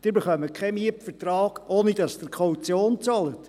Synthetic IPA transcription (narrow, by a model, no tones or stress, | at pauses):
d̥ɪːɾbeχœməkʰɛmiəpfətrɑːɡ̥ʔoːnid̥ɑsd̥əɾkʰχɔut͡sjoːnt͡sɑlət